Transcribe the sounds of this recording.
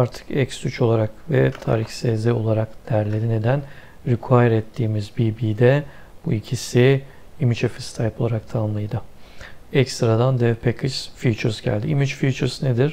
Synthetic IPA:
aɾt̪ʰɯ̥kɛcsyt͡ʃʰo̞lˠaɾakvɛt̪ʰa̰ːɾiçsezɛo̞lˠaɾakd̪̥æɾlʲeɾine̞d̪æn | ɾykʰajɾɛt̪ʰːiːmizbibiːd̪ɛ | b̥uicʰisi | imit͡ʃefist̪ʰajpʰo̞lˠaɾak̚t̪ʰanɯnlˠɯjd̪ɯ | ɛcst̪ɾad̪and̪ɛpʰekʰɯʃfit͡ʃʰɯɾzɟæ̰lʲd̪iimit͡ʃfit͡ʃɯɾzned̪ɪɾ̥

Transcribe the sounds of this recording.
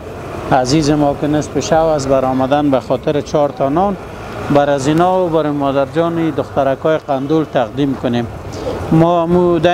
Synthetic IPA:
azizɪmɔkɪnɪspɪʃawazbaɾɔmad̪anbaxɔt̪ɪɾɪt͡ʃɔɾt̪anɔn | baɾazinɔbaɾomɔd̪aɾd͡ʒɔnid̪ʊxt̪aɾakɔeqand̪ult̪aqd̪imkʊnemː | ɔamud̪a

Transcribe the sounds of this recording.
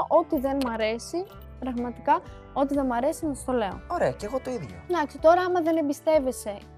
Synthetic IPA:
ʔo̞t̪iðe̞nmɐɾe̞si | pɾɐɣmɐt̪ikɐ | o̞t̪iðe̞mɐɾe̞sinɐɐst̪o̞le̞o̰oɾeɐceɣot̪o̞iðʝo̰d̪ɐksi̥t̪o̞ɾɐɐmɐðe̞ne̞mbist̪e̞ve̞se̞

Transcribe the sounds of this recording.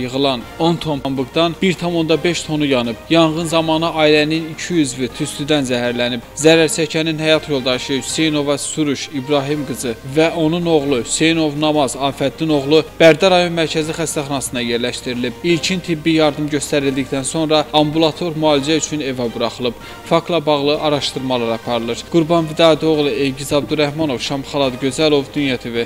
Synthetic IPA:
jɯɣɯlˠɑn | o̞nt̪ʰommbɯɡd̪ɑnb̥iɾt̪ʰɑmo̞nd̪ɑbe̞ʃt̪ʰo̞nujɑnɯb̥jɑnʁɯnzɑmɑnɯʔɑːilæninicʰijyzvit̪ʰyst̪yd̪ænzæɦæɾlænib̥zæɾæɾt͡ʃʰæcʰæninɦæjɑt̪ʰjo̞lˠd̪ɑʃɯhyse̞jno̞vɑsuɾuʃibɾɑɦimɡɯzɯvæʔo̞nuno̞ʁlˠuhy̥se̞jno̞vnɑmɑzɑːfæt̪lino̞ʁlˠub̥æɾd̪ɑɾɑjo̞nmæɾcʰæzixæst̪æχɑnɑsɯnɑje̞ɾlæʃt̪iɾilib̥ilcʰint̪ʰibːijɑɾd̪ɯmɟø̞st̪æɾild̪içd̪ænso̞nɾɑɑmbulˠɑt̪ʰo̞ɾmuɑːlid͡ʒæyt͡ʃʰyne̞vɑbuɾɑχɯlˠɯb̥ | fɑkt̪lˠɑbɑʁlˠɯʔɑɾɑʃt̪ɯɾmɑlˠɑɾɑpʰɑɾɯlˠɯɾɡ̥uɾbɑnvid̪ɑːæt̪ʰio̞ɣlˠɯejɟizɑbd̪uɾæhmɑno̞vʃɑmχɑlˠɑd̪ɟø̞zælo̞vd̪ynjæt̪ʰivi

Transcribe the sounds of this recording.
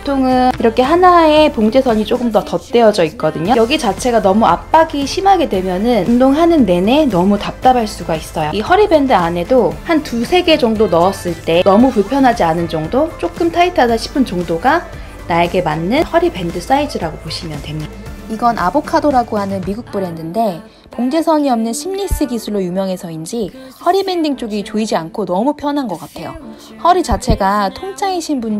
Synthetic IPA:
potʰoŋɯiɾʌkʰe̞ɦanae̞poŋd͡ʑe̞sʰʌɲit͡ɕ͈oɡɯmdʌtʌt͈e̞ʌd͡ʑʌik̚k͈ʌdɯɲojʌɡit͡ɕat͡ɕʰe̞ɡanʌmuap͈̚aɡiɕʰimɦaɡe̞dwe̞mjʌnɯnundoŋɦanɯnːe̞ne̞nʌmutap̚t͈abaɭs͈uɡais͈ʌjoihʌɾibe̞ndɯane̞dohantusʰe̞ɡe̞d͡ʑʌŋdonʌʌs͈ɯɭt͈e̞nʌmupuɭpʰjʌnɦad͡ʑianɯnd͡ʑʌŋdot͡ɕ͈ok͈ɯmtʰaitʰadaɕʰi̥p͈ʰɯnt͡ɕʌŋdoɡa | naeɡe̞manːɯnhʌɾibe̞ndɯs͈aidd͡ʑʰɯɾaɡopoɕʰimjʌntwemɲida | iɡʌnʔa̰bokʰadoɾaɡoɦanɯnmiɡuk̚p͈uɾɦenːɯnde̞ | poŋd͡ʑe̞sʰʌɲiʌmnɯnɕʰimɲis͈ɯɡisʰuɭːojumjʌŋɦe̞sʰʌind͡ʑi | hʌɾibe̞ndiŋt͡ɕ͈oɡit͡ɕoid͡ʑiankʰonʌmupʰjʌnɦanɡʌk͈atʰe̞jo̰ | hʌɾit͡ɕat͡ɕʰe̞ɡatʰoŋt͡ɕʰaŋeɕʰinbun

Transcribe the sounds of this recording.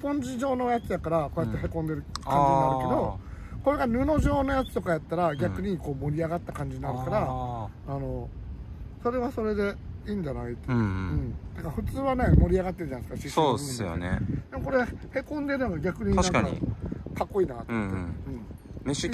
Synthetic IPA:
põ̞ɲ̟d͡ʑiʑo̞ːno̞jat͡sɨjakaɾako̞ːjat̪ːeɦe̞kõ̞nd̪e̞ɾɯ̟kãɲiɲinaɾɯke̞d̪o̞ko̞ɾe̞ɡanɯ̟no̞ʑo̞ːno̞jat͡sɨ̥t̪o̞kajat̪ːaɾaɡʲakɯ̟ɲ̟iko̞ːmo̞ɾʲiaɡat̪ːakãɲ̟d͡ʑiɲinaɾɯkaɾaː | no̞ | so̞ɾe̞βaso̞ɾe̞d̪e̞iːɲd͡ʑanait̪ɯ̟̃ɴt̪akaɸɯ̟t͡sɨːβane̞mo̞ɾʲiaɡat̪ːe̞ɾɯ̟d͡ʑanaiskaɕisobɯo̰nḛd̪e̞moko̞ɾehe̞kõ̞nd̪e̞ɾɯnoɡaɡʲakɯ̟ɲ̟inaaãŋkakakːo̞iːnaːt̪otːeɯ̟̃

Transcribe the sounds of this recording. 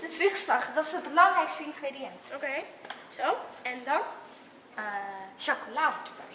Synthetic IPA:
d̥ətɪsʋiχslɑχdɔtɪsət̚bəlɑŋrɛjkstəɪnχrediɛntokejsowɛndɔn | əʃɔkolaːət

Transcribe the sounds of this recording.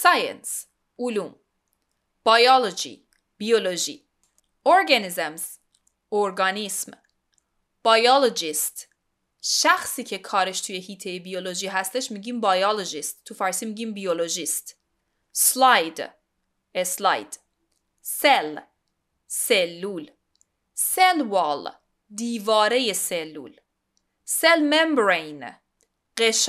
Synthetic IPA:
sɑjḛns | ulum | b̥ɑjɑlod͡ʒḭ | b̥ioloʒḭ | oɾɡanizemz | oɾɡɑnism | b̥ɑjɑlod͡ʒist̪ | ʃæxsiːcʰekʰɒːɾeʃt̪ʰujehiːt̪ʰejebioloʒiːɦæst̪eʃmiːɟiːmbɑjɑlod͡ʒist̪ːʰufæɾsimiːɟimbioloʒist̪ | slɑjd̪ | eslɑ̰jd̪̥ | sel | selːuːl | selvɑl | d̪iːvɒːɾejeselːṵl | selmembɾejn | ɢeʃ

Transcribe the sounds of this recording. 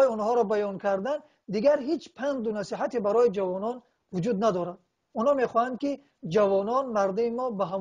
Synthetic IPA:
iɔnhɔɾɔbajɔnkʰaɾd̪an | d̪iɡaɾɦit͡ʃpʰand̪unasiɦat̪ebaɾɔjid͡ʒavɔnɔn | vud͡ʒud̪nad̪ɔɾad̪ | unhɔme̞χɔhand̪̚ki | d͡ʒavɔnɔnmaɾd̪imimɔbaɦam

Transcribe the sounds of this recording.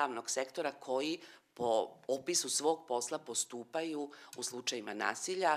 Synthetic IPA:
aːʋno̞ɡ̥se̞kt̪o̞ɾakʰo̞jipoopisusʋo̞ːɡpo̞slˠapo̞st̪uːpajuuslˠut͡ʃajimana̰ːsiʎa

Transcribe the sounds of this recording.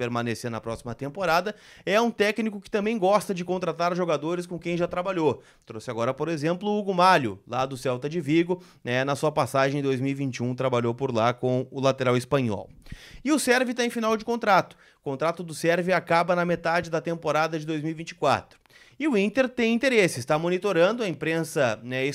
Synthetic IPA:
peɾmɐ̃nesenɐ̰pɾɔsimɐt̪ẽmpoɾad̪ɐ | ɛũt̪ɛknikʊkɪ̥t̪ɐ̃mbẽj̃ɡɔst̪ɐd͡ʒɪkõnt̪̬ɾat̪aɾʒoɡad̪oɾɪskõkẽj̃ʒat̪ɾabaʎo | t̪ɾosɪaɡɔɾɐpoɾezẽmplʊuɡʊmaʎʊ̰lad̪ʊsɛwt̪ɐd͡ʒɪviɡʊ | nɛnɐsuɐpasaʒẽj̃d̪ojzmiwivĩnt͡ʃɪũt̪ɾabaʎowpoɾlakõw̃ʊlat̪eɾawɪspɐ̃ɲɔ̰wɪʊsɛɾvɪt̪aẽfinawd͡ʒɪkõnt̪ɾat̪ʊ̥ | kõt̪ɾat̪ʊd̪ʊsɛɾvɪakabɐnɐmet̪ad͡ʒɪd̪ɐt̪ẽmpoɾad̪ɐd͡ʒɪd̪ojzmiwivĩt͡ʃɪ̥kwa̰t̪ɾʊ̥ | ɪʊĩnt̪eɾt̪ẽj̃ĩnt̪eɾesɪɪst̪amonit̪oɾɐ̃nd̪ʊɐĩpɾẽsɐnɛɪ

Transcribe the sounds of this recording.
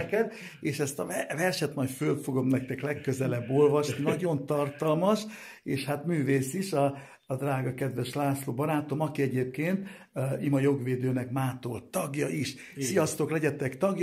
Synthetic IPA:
kɛd̪ | eːʃɛst̪ɒvɛrʃɛt̪mɒjfølfo̞ɡo̞mnɛk̚t̪ɛklɛkːøzɛlɛbːolvɒʃninɒɟo̞nt̪ɒrt̪ɒlmɒʃ | eːʃhat̪myːveːsiʃɒː | d̪raːɡɒkɛd̪ʋɛʃlaːsloːbɒɾaːt̪o̞mɒkiɛɟeːp̚keːnt̪ | imɒjo̞ɡʋeːd̪øːnɛkmaːt̪olt̪ɒɡjɒiʃ | sijɒst̪o̞klɛɟɛt̪ɛkt̪ɒɡj

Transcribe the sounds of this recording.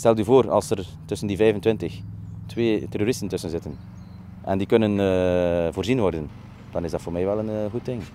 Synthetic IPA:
stɛlˠdyvoːrɑ̰lˠsər | tɵsəndivɛjvəntʋɪntəxtʋeːtɛroɾɪstəntɵsənzɪtən | ʔɛ̰ndikɵnən | voːrzinʋɔrdən | d̥ɑnɪzdɑtfoːrmɛjʋɛlənɣut̚dɪŋ

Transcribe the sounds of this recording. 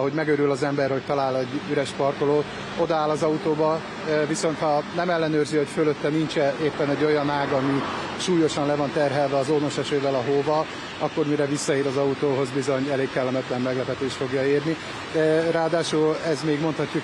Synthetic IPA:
ɦo̞ɟmɛɡøɾylɒzɛmbɛrho̞c̚t̪ɒlaːlɛɟyɾɛʃpɒrko̞loːt̪ | o̞d̪ɒaːlɒzɒut̪oːbɒ | viso̞nt̪hɒnɛmɛlːɛnøːrzio̞cføløt̪ːɛnint͡ʃɛeːpːɛnɛɟːo̞jɒnaːɡɒmi | ʃuːjo̞ʃɒnlɛvɒnt̪ɛrɦɛlvɛɒzoːno̞ʃɛʃøːvɛlɒɦoːvɒ | ɒkːo̞rmiɾɛvisːɒiːɾɒzɒut̪oːɦo̞zbizo̞ɲɛleːkkɛlːɛmɛt̪lɛmːɛɡlɛpɛt̪eːʃt̪fo̞ɡjɒiːrni | raːd̪aːʃulɛzmeːɡmo̞nt̪hɒcːuk

